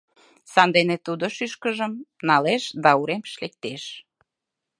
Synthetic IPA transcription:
sɑnd̪enet̪ud̪oʃyʃkəʒəmnɑleʃd̪ɑuɾemʃlek̚t̪eʃ

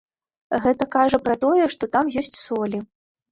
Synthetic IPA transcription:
ɣɛt̪ɐkaʐɐpɾɐt̪ɔjɛʂt̪ɔt̪amjɔsʲt͡sʲsɔlʲi

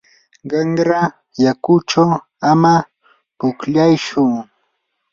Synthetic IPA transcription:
ɢɑŋɾa | jakʊt͡ʃaw | ama | pʊkʎajʃʊŋ

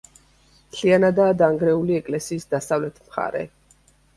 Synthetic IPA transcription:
mt̪ʰlianad̪aːd̪aŋɡɾɛuliɛkʼlɛsiːsd̪asavlɛt̪ʰmχa̰ɾɛ̰

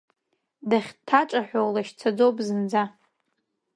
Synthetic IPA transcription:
daχʲtʰaʈ͡ʂʼaħᶣʷowlaʃt͡sʰad͡zowpʼzɨnd͡za

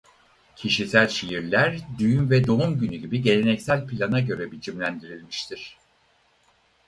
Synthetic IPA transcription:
cʰiʃisælʲʃijiɾlʲæɾd̪yjynvɛd̪o̞umɟynyɟibiɟe̞lʲenɛcsælʲpʰilʲanaɟø̞ɾɛbit͡ʃʰimlʲænd̪iɾilʲmiʃt̪ʰiɾ̥

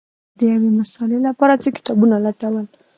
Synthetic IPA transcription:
d̪əjawemasɑlelapɑɾat͡səkɪ̥t̪ɑbunalaʈawəl

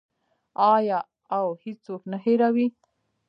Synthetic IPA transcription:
ɑjɑ | awhet͡soknaheɾawi

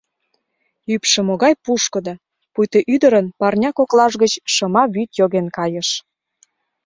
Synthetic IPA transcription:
ypʃĕmoɣɑjpuʃkə̆d̪ɤ | pujt̪əʔyd̪əɾənpɑrnʲɑkoklɑʒɣət͡ɕʃɤmɑβyt̪joɣenkɑjəʃ

